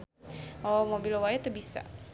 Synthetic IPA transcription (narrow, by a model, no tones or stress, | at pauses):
omobilowajt̪ubisa̰